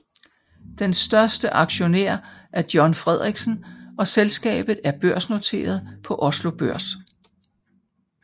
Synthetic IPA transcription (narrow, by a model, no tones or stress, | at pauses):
d̥ensd̥ɶɐsd̥əʔɑ̈ɡ̥ɕo̝nḛɐ̰ʔæɐd̥jɒnfʁɛð̞ˠʁiɡ̥sn̩ʔɒ̽selsɡ̥ɛ̰ːb̥ð̩ˠæɐb̥øɐ̰sno̝t͡sʰe̝̰ːɐð̞ˠpʰɒ̽ʔɒ̽slo̝b̥øɐ̰s